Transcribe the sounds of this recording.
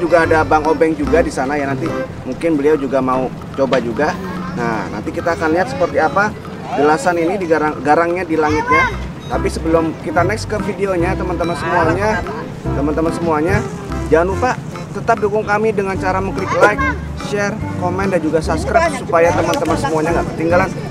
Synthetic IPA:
d͡ʒuɡaːdabaŋobɛŋd͡ʒuɡadisanajanant̪imuŋkɪnbəliawd͡ʒuɡamau | t͡ʃobad͡ʒuɡanana̰nt̪ikit̪aːkanliɦat̪̚sə̥pərt̪iapa | d͡ʒəlasaninidiɡaɾaŋɡaɾaŋɲadilaŋɪt̪̚ɲa | t̪apisəbəlʊmkit̪anɛkskəfideoɲat̪əmant̪əmansəmuaɲa | t̪əmant̪əmansəmuaɲa | d͡ʒaanupa | t̪ət̪ap̚dukʊŋkamidəŋant͡ʃaɾaməklɪklak̚ | ʃɛrkomɛndand͡ʒuɡasapskɾap̚supajat̪əmant̪əmansəmuaɲaŋɡaʔpət̪iŋɡalan

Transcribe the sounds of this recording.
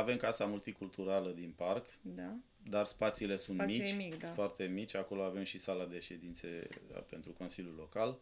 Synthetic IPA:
ave̞mkasamult̪ikult̪uɾaləd̪inpark | d̪a | d̪arspat̪sile̞sunt̪mit͡ʃ̪foart̪e̞mit͡ʃʲako̞lo̞ave̞mʃisalad̪e̞ʃe̞d̪int̪sḛpe̞nt̪ɾuko̞nsiljulo̞kal

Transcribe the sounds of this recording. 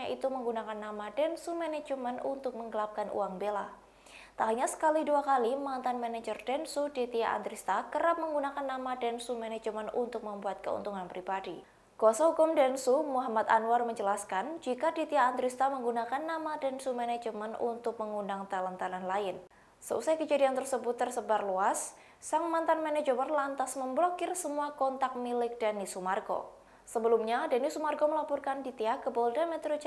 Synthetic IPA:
aʔit̪uməŋɡunakanːamadɛnsumɛnɛd͡ʒəmənunt̪ʊk̚məŋɡəlap̚kanʔṵaŋbela | t̪aɦuɲasə̥kaliduakalimant̪anmɛned͡ʒərdɛnsudit̪iaʔa̰nt̪ɾist̪akəɾap̚məŋɡunakanːamadɛnsumɛned͡ʒəmənṵnt̪ʊk̚məmbuat̪̚kəṵnt̪uŋanpɾibadi | ɡ̥osaɦukʊmdɛnsumuɦamat̪a̰nuwarməɲd͡ʒəlaskand͡ʒikadit̪iaːnt̪ɾust̪aməŋɡunakanːamadɛnsumɛnɛd͡ʒəmanṵnt̪ʊk̚məŋundaŋt̪alant̪ananlaɪn | səṵsajkəd͡ʒadiant̪ərsəbʊt̪ːərsəbarluasː | aŋmant̪anmɛnɛd͡ʒəmənlant̪asməmblokɪrsəmuakɔnt̪ak̚milɪk̚danisumarɡo̰ | səbəlumɲadanisumarɡoməlapɔrkandit̪iakəbɔldamɛt̪ɾod͡ʒ

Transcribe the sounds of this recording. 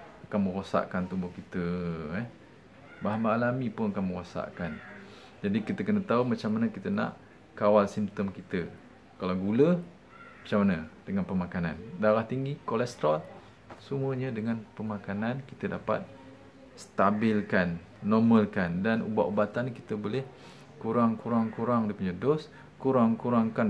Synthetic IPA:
akanmə̃ɾosa̰ʔkant̪umbʊhkit̪əɛ | baɦambaːlamipʊnakanmə̃ɾosa̰ʔkan | d͡ʒadikit̪əkənət̪aumat͡ʃamanəkit̪əna̰ʔ | kawalsimt̪əmkit̪ə | kalawɡulə | mat͡ʃamanəd̥əŋanpəmakana̰ndaɾaht̪iŋɡikolɛst̪ɾal | səmuəɲədəŋanpəmakananki̥t̪ədapa̰t̪̚ | st̪abɪlkanː | ɔməlkandanṵba̰ʔubat̪anːkit̪əbolɛh | kuɾaŋkuɾaŋkuɾaŋdipuɲadɔs | kuɾaŋkuɾaŋkan

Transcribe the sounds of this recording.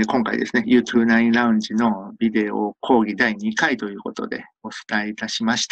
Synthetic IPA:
kõ̞ŋkaḭd̪e̞sɨne̞jɯ̟ːt̪ʰɯɯnaĩɾaɯ̟̃ɲ̟d͡ʑino̞bʲid̪e̞o̰kʰo̞ːɡʲid̪aiɲ̟ikait̪o̞jɯ̟ːko̞t̪o̞̰d̪e̞̰o̞t͡sɨ̥t̪aeit̪aɕimaɕi̥t̪a

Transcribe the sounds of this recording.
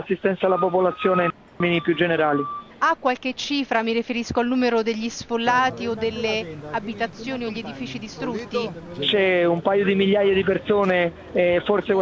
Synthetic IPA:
asːist̪ɛnt̪salap̬op̬olat̪sːjoːnein | minipjud͡ʒːeneɾaːliakːwalk̟et͡ʃːiːfɾamirifeɾiskoalnuːmeɾod̪eʎːisfolːaːt̪iod̪ːelːeabit̪at̪sːjoːnioʎːied̪ifiːt͡ʃid̪ist̪ɾut̪ːi | t͡ʃɛumpajod̪imiʎːaːjad̪ip̬ersoːneː | forsek

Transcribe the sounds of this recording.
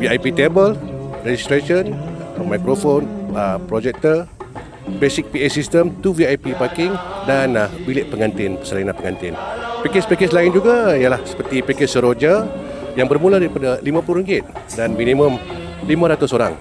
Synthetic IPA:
viajpit̪ebəlred͡ʒist̪ɾaʃənmajkɾofonəpɾod͡ʒɛk̚t̪ə | besɪk̚piesist̪əmt̪uviajpipakɪŋdanbilɪʔ̚pəŋant̪ɪnpə̥səlanãpəŋant̪ɪnpikɪspikɪs̬laɪnd͡ʒuɡaijalahsə̥pərt̪ipikɛsəɾod͡ʒa | jaŋbərmuladaɾipadalimãpuluɾiŋɡɪt̪̚danmĩnĩmə̃m | limãɾat̪ʊsoɾa̰ŋ

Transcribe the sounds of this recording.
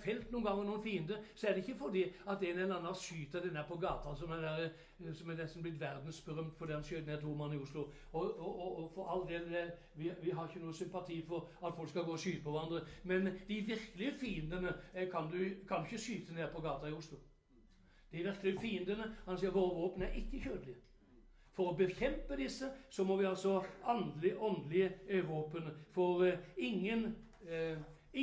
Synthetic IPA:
fɛlt̪nuːnɡɑŋːənuːnfiːənd̪əsɔæʁd̪ɛɪçːəfɔd̪iːɑt̪̚d̪ɛnɛnɑnːɑʃyːt̪ɑd̪ɛnæːpʰɔɡɑːt̪ʰɑsɔmæd̪æɾə | sɔmɛnɛst̪n̩blɪt̪ʋæʁd̪n̩sbəʁœmt̪fɔʁd̪iːhɑnsœːt̪neːʁt̪ʰuːmɑnːɪʊslʊ | ɔɔɔfɔɾɑld̪eːld̪ɛ | ʋɪʋɪɦɑɾɪçːənuːəsʏmpɑt̪ʰiːfɔɾɑt̪fɔlkskɑlɡoːɔʃyːt̪əpʰɔʋæɾɑnd̪ɾəmɛnd̪̥ɪʋɪɾkəlɪfiːənd̪ənəkʰɑnd̪ʉkʰɑnd̪ʉʏçːəsyːt̪əneːpʰɔɡɑːt̪ɑɪʊslʊ | d̪̥ɛɾʋɪɾkəlɪəfiːənd̪ənəhɑnsiːəɾɦoːʋoːpənæɾɪkːəçøːd̪əlɪ | fɔɾɔbəçɛmpəd̪ɪsːəsɔmɔʋɪɑlsɔɑnd̪lɪʔɔnd̪əlɪəøːʋoːpənfɔɾɪŋːən | ɪ

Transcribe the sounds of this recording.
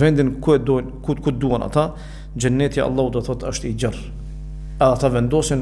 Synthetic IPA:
vɛnd̪inkuɛd̪ɔnkukud̪uana̰t̪a | d͡ʒənːɛt̪ia̰ɑ̰lˠˤːaud̪ɔθɔt̪əʃt̪id͡ʑər | ɛðat̪avɛnd̪ɔsɛn

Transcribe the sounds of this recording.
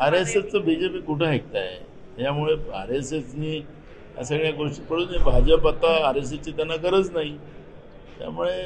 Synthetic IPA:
aɾesest͡səbid͡ʑepiːkuʈʰaɦek̚t̪ajḛ | ɦjamuɭea̰ɾeset͡sniː | a̰s̬əɡɭjaɡoʂʈipəɽunibʱad͡ʑəpat̪aːɾes̬et͡ɕiːt̪anːak̬əɾət͡snaɦi | t̪ja̰muɭe

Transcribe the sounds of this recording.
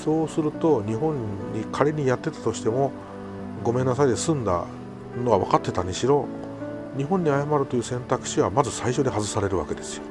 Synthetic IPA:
so̞ːsɨɾɯ̟t̪o̞ɲ̟iɦõ̞ɲ̟ɲikʰaɾeɲ̟ijat̪ːe̞t̪ḁt̪o̞ɕi̥t̪e̞mo̞ | ɡo̞me̞nːasaid̪esɨ̃nd̪a̰ | no̞aβakat̪ːe̞t̪aɲiɕiɾo̞ | ɲ̟iɦõ̞ɲ̟ːiajamaɾɯ̟t̪o̞jɯːsẽ̞nt̪akɯ̟̥ɕiβamazɨsaiɕo̞d̪e̞ɦazɨsaɾe̞ɾɯ̟βa̰ke̞d̪esɨ̥jo

